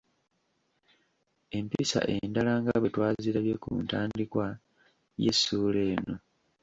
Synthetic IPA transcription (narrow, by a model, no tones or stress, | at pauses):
e̞mpisa̰ʔe̞ndalaŋɡaβetwaːziɾaβjekṵntaːndikwa | je̞̰sːuːle̞ːno̞